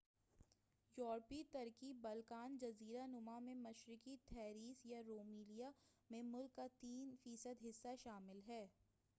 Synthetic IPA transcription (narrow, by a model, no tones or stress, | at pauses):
jɔːɾpit̪ɐɾkibɐlkaːnd͡ʒɐziːɾanʊmamẽmɐʃɾɪkit̪ʰɛːɾiːsjaɾoːmiːlijamẽmʊlkːat̪iːnfiːsəd̪ɦɪsːaʃaːmɪlɦɛː